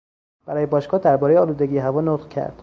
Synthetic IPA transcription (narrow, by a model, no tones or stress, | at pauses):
b̥æɾɒːje̞bɒːʃɡɒːd̪æɾbɒːɾejeɒːluːd̪e̞ɡiːeɦævɒːnot̪qcʰæ̰ɾd̪̥